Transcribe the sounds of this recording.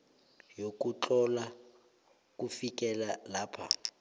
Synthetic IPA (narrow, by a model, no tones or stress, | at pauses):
jokʼut͡ɬɔla | k̬ʼufikʼɛlalaːpʰa̰